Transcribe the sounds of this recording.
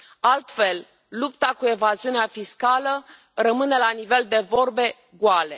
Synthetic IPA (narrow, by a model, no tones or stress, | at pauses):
alt̪fe̞l | lupt̪akue̞vaziuneafiskalə | rəmɨne̞lanive̞ld̪e̞vo̞rbe̞ | ɡwale̞